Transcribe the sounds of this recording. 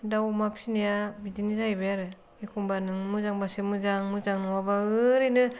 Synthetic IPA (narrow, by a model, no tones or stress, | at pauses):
dawmapʰinejabidinizajbejaɾɯ | ikʰuŋbanɯŋmɯzaŋbasɯmɯzaŋmɯzaŋnɯwabaɯɾinɯ